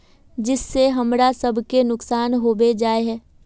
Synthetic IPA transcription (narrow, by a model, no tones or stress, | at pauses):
d͡ʒɪsːeɦɐmɾasɐbʱkenʊksaːnɦoːbed͡ʒaːeɦɛː